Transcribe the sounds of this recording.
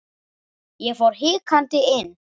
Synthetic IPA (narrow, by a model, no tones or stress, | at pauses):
jɛfɔɾɦɪːkʰant̪ɪɪn